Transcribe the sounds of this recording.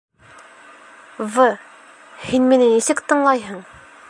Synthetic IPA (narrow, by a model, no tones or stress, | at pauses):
vɤ | hinminɘnisɘkt̪ɤ̆ɴlˠɑjɦɤɴ